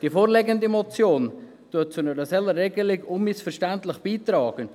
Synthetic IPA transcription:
d̥ifoːɾlɛɡəndimɔt͡sjoːn | tʊt̚t͡sʊnəɾəsɛlːəɾrːɛɡəlɪɡʊnmɪsfəɾʃtæntlɪχb̥iːtɾɑːɡ̥ən

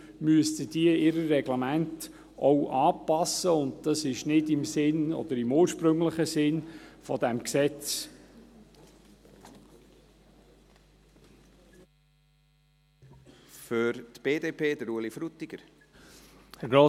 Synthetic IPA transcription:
myəstədiəɪɾəːɛɡ̥lamænt | ɔwʔɑːpɑsːəʊnd̚d̥ɑsɪʃnɪdɪmsɪnɔ̰d̥̪əɾɪmuːɾʃpɾɵŋləχəsɪnfɔd̪æmksɛt͡s | fʏɾtb̥eːdeːpʰeːdəɾuəlifɾut̪iɡ̥əɾ | hɛɾɡɾoː

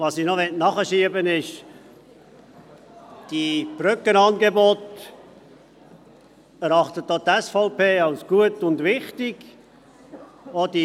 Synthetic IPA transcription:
ʋɑsinoʋɛtnɑχəʃiəbənɪʃ | d̥ib̥ɾʏkənɑnɡebot | əɾɑχtət̚d̥̪oːt̪ɛsfɔʊpeːɑlsɡ̥uətʊndvɪχtɪɡ̥ | od̥i

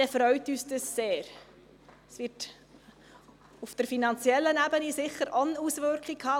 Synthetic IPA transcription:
ɛfɾœʏtyːsdəsːeːɾ | sʋɪɾt | ufd̥əɾfinɑnt͡sjɛlːənæbənisɪχːəɾʔɔnusvʏɾkχɪkhɑː

